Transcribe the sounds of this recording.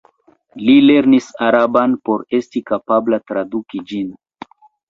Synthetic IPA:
lile̞ɾnisaɾabanpo̞ɾe̞stikapablatɾadukid͡ʒin

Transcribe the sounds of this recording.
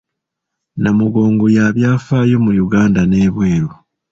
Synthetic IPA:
namuɡo̞ːŋɡojaβjaːfaːjo̞mujuɡaːndane̞ːβwe̞ːɾu

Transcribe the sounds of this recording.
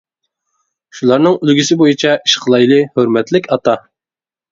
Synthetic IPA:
ʃulˠɑɾnɨŋylɡʲisɪbojit͡ʃʰɛʔiʃqʰəlˠɑjlˠɨhøɾmɛt̪lɪkʲʰɑt̪ɑ

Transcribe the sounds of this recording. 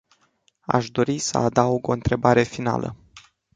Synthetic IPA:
a̰ʃd̪o̞ɾisəad̪auɡo̞ɨnt̪ɾe̞baɾe̞fina̰lʔə̰

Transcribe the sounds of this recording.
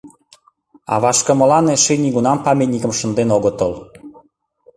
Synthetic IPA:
ɑ̰βɑʃkə̆mɤ̆lɑneʃeniɣunɑmpɑmʲet̪nʲikəmʃə̆nd̪enoɣət̪əl

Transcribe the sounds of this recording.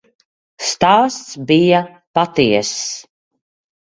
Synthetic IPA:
st̪aːst̪sbija | pat̪iɛs

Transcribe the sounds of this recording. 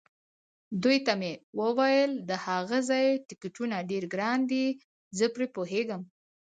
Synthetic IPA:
d̪ujt̪amewəwajəld̪əhaɣazɑjʈɪkɪʈunaɖeɾɡɾɑnd̪i | zəpɾepoɦeɡəm

